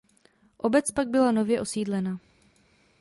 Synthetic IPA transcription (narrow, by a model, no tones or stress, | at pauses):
ʔo̞bɛt͡spaɡ̚bɪlano̞vjɛʔo̞siːdlɛna